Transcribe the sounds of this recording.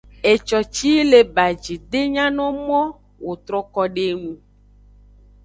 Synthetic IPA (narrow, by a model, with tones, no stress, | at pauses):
e˨t͡ʃɔ˨t͡ʃi˦le˨ba˨d͡ʒi˨d̪e˦ɲã˦nɔ̃˦mɔ̃˦ | wo˨t̪ɾɔ˦kɔ˦ɖe˦ŋũ˨